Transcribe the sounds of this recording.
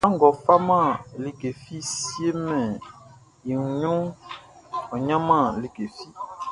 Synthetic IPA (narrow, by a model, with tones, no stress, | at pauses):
ã˦ŋ˨ɡɔ˨fa˦mã˦˨li˦˨ɡe˨fi˦si˦e˦mɛ̃˨ | ji˨ŋ˨ɲũ˦ŋ | ɔ˨ɲã˦mã˦˨li˦ɡe˨fi˦